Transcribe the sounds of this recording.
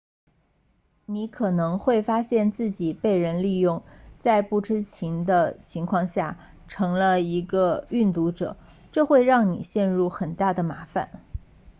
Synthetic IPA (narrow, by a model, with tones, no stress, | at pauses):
ni˧˥kʰɤ˨˩nɤ˧˥ŋxwe˥˩ɪfa˥ɕjɛ˥˧nt͡sɹ̩˥˩t͡ɕi˨˩pe˥˩ɪɻə˧˥nli˥˧jʊ˥˩˧ŋt͡sa˥˧ɪpu˥˩ʈ͡ʂʰɻ̩˥t͡ɕʰi˧˥ŋd̪ə˧t͡ɕʰi˧˥ŋkʰwɑ˥˧ŋɕja˥˩ | ʈ͡ʂʰɤ˧˥ŋlə˧i˧˥ɡə˧y˥˩nt̪u˧˥ʈ͡ʂɤ̰˨˩˦ | ʈ͡ʂɤ˥˧xwe˥˧ɪɻɑ˥˩ŋnḭ˨˩ɕjɛ˥˧nɻu˥˩xə˨˩nt̪a˥˩d̪ə˩ma˧˥fa̰˨˩˦n